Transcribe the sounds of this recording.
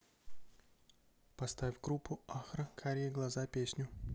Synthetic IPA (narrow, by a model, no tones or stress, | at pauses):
pɐst̪avʲvʲɡɾupːʊaxɾəkʰaɾʲijɪɡlˠɐzapʲesʲnʲʊ